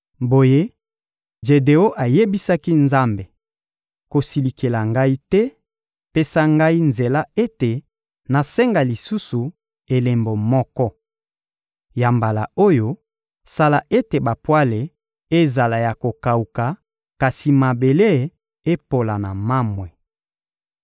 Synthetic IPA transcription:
bo˨je˦ | ʒe˨de˨o˦ʔa˨je˦bi˦sa˦ki˦nza˦mbe˨ | ko˨si˨li˨ke˨la˨ŋɡa˦i˦tɛ˦ | pe˦sa˦ŋɡa˦i˦nze˨la˦e˦te˨ | na˨sɛ˦ŋɡa˨li˨su˦su˨ | e˨le˨mbo˨mɔ˦kɔ˦ | ja˨mba˨la˨o˦jo˦ | sa˦la˨ʔe˦te˨ba˨pwa˦le˨ | e˦za˨la˨ja˨ko˨ka˨u˨ka˨ | ka˨si˨ma˨be˨le˦˨ | e˦po˨la˨na˨ma˦mwɛ˨

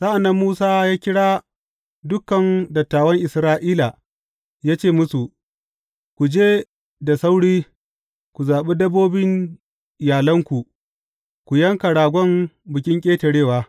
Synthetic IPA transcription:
sa˦ʔa˨nːɐ˦mːuː˦saː˦jaː˦kʲɪ˦ɽaː˦ | dʊ˦kːɐ˨ndɐ˨tːaː˨wɐ˦ŋʔɪ˨sɾaː˦ʔiː˦la˨ | jaː˦t͡ʃeː˦˨mʊ˦su˨ʔ | kʷu˨d͡ʒeː˦ | da˨sa˦wɽiː˦ | kʷu˨zaː˨ɓe˦dɐ˦bːoː˦bɪ˦ɲ | jaː˨lɐ˦ŋkʷu˨ | kʷu˨jɐ˦ŋka˨ɽaː˨ɡʷɔ˦mbʊ˨kʲɪ˦ŋkʲʼeː˦tɐ˨ɽeː˦˨waː˦

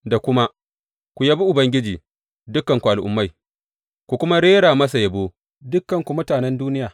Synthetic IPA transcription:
da˨kʷʊ˦ma˦ | kʷu˨ja˦bi˦ʔʊ˨bɐ˦ŋɡʲɪ˦d͡ʒiː˨ | dʊ˦kːɐ˨ŋkʷu˨ʔa˨lʔʊ̰˨mːa˦j | kʷu˨kʷʊ˦ma˦ɽeː˦ɽaː˨mɐ˦s̬a˨jɐ˨boː˦ | dʊ˦kːɐ˨ŋkʷu˨mʊ˦taː˨nɛ˦nduː˦nɪ˦jaː˨

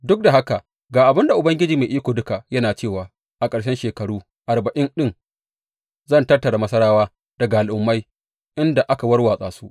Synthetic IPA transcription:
dʊ˦k̚da˨ɦa˦ka˨ | ɡaː˨ʔa˨bɪ˦nda˨ʔʊ˨bɐ˦ŋɡʲɪ˦d͡ʒiː˨ma˨ʔiː˦kʷoː˨dʊ˦ka˨jɐ˦naː˨t͡ʃeː˦˨waː˨ | ʔa˨kʼɐ˨ɽʃɐ˦nʃeː˨kɐ˨ɽuː˦ | ʔa˨ɾbɐ˨ʔɪ˦nɗɪ˦ŋ | zɐ˦ntɐ˦rtɐ˨ɽa˨mɐ˦sɐ˦ɾaː˦waː˦ | d̥ɐ˨ɡa˨ʔa˨lʔʊ˨mːa˦j | ʔɪ˦nda˨ʔa˦ka˨wɐ˦rwaː˨sʼaː˨su˦ʔ

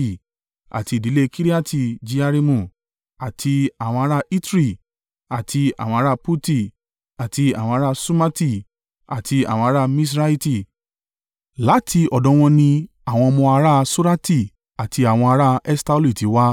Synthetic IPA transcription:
i˦˨ | a̰˨ti˧i˨di˨˦le˦˧kʰi˦ɾi˦a˦ti˧˨d͡ʒi˧a˧ɾi˧mũ˧˨ | a˨tʰi˧a˨w̃ɔ̃˧a˧ɾa˦˧i˦tɾi˦˨ | a˨tʰi˧a̰˨wɔ̃˧˦ɾa˦˧pu˦ti˦˨ | a˨ti˧a̰˨w̃ɔ̃˧a˧ɾa˦˧su˦ma˦ti˦˨ | a˨tʰi˧a̰˨w̃ɔ̃˧a˧ɾa˦˧mĩ˦s̬ɾa˦i˦ti˧˨ | la˨˦tʰi˧ɔ˨dɔ̃˨˧w̃ɔ̃˧nĩ˧ | a˨w̃ɔ̃˧mɔ̃˧a˧ɾa˦˧su˦ɾa˦ti˦˨ | a˨tʰi˧a˨w̃ɔ̃˧a˧˦ɾa˦ɛ˦sta˧˦lu˦i˨ti˨˦wa˦

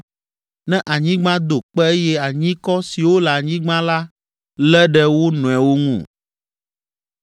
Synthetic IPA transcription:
nɛ̃˦ʔa˨ɲĩ˦ɡ͡bã˦d̪o˨k͡pɛ˦e˦jɛ˦a˨ɲĩ˦kɔ˦si˨wo˦lɛ˨a˨ɲĩ˦ɡ͡bã˦la˦ | lɛ˦ɖɛ˦wo˦nɔ̃˨ɛ˨wo˦ŋṵ̃˦˨

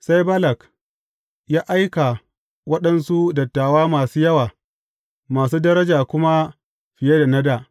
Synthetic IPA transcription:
sa˦jbɐ˦lɐ˨k | jaː˦ʔa˦jka˨ | wɐ˦ɗɐ˦nsu˦dɐ˨tːaː˨waː˦maː˨suː˦jɐ˦waː˨ | maː˨s̬uː˦dɐ˦ɾɐ˦d͡ʒaː˨kʷʊ˦ma˦ | ɸɪ˨je˦da˨nɐ˦daː˨

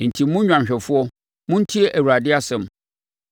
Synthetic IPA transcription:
n̩˨tʰi˨mː˦ʊ̃˦ɲᶣã˨m˨ɕᶣɛ˨fʊ˦ɔ˦ | mʊ̃˦n̩˦tʰi˦e˦ʔæ˨wu˨ɾa˨dɪ˦a˦sɛ̃˨m

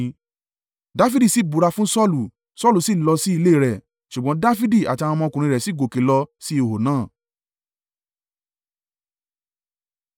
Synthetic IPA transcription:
da˦fi˦di˦˨si˦˨bu˨ɾa˧fũ˦sɔ˦lu˨ | sɔ˦lu˨si˦˨lɔ˧si˦i˧le˦˨ɾɛ˨ | ʃu˨ɡ͡bɔ̃˨˦da˦fi˦di˦˨a̰˨ti˧a˧wã˧mɔ̃˧kũ˨ɾĩ˧ɾɛ˨si˦ɡo˨ke˨˦lɔ˧si˦o˨ho˨nãː˦˨

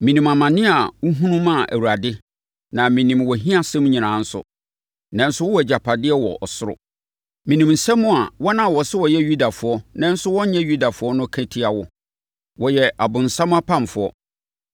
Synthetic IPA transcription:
mĩ˨nĩ˨ma˨mã˨nɪ̃˦a˨wu˦ɦũ˦nũ˦mã˦˨ʔæ̰˨wu˨ɾa˨dɪ˦ | nã˨mĩ˨nĩ˨mwɔ˨ɦĩ˦a˦sɛ̃˦m̃˦ɲĩ˨nãː˨˦n̩˦sʊ̰˦ | nɛ̃˦n˦sʊ˦wɔ˦wd͡ʑa˨pʰa˨dɪ˦ɛ˦wɔ̰˨ʔɔ˨sʊ˦ɾʊ̰˨ | mĩ˨nĩ˨mn̩˨sã˦mːʊ̃˦a˨wɔ˦nã˦˨wɔ˨sɛ˦wɔ˨jɛ˦ju˦da˨fʊ˨˦ɔ˦nɛ̃˦n̩˦sʊ˦wɔ̃˦ɲ˦ɲɛ̃˦ju˦da˨fʊ˦ɔ˦nʊ̃˦kʰæ̃˦tʰi˦a˨wɔ˦ | wɔ˨jɛ˨ʔa˨bʊ̃˨n̩˨sã˦m̃˦a˦pʰã˦m˨fʊ˨˦ɔ˦

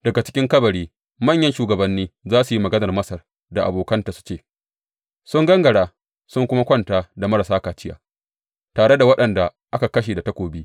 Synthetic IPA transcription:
d̥ɐ˨ɡa˨t͡ʃɪ̥˦kʲɪ˦ŋkɐ˦bɐ˨ɽiː˦ | mɐ˦˨ɲjɐ˦nʃuː˨ɡɐ˨bɐ˨nːiː˦zaː˦su˨ji˦mɐ˨ɡɐ˦nɐ˨rmɐ˦sɐ˨r | da˨ʔa̰˨boː˨kɐ˦ntaː˨su̥˦t͡ʃeː˦˨ | sʊ˦ŋɡɐ˦ŋɡɐ˨ɽaː˦ | sʊ˦ŋkʷʊ˦ma˦kʷɐ˦ntaː˦da˨mɐ˦ɾa˨saː˦kaː˨t͡ʃɪ˦ja̰ː˨ | taː˨ɽe˦da˨wɐ˦ɗɐ˨nda˨ʔa˦ka˨kɐ˦ʃ̬eː˨da˨tɐ˦kʷoː˨bi˦

